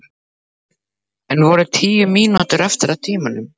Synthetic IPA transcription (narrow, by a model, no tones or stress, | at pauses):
ɛnvɔɾʏt̪ʰiːjʏmiːnat̪ʏɾɛft̪ɪɾawt̪ʰiːmanʏm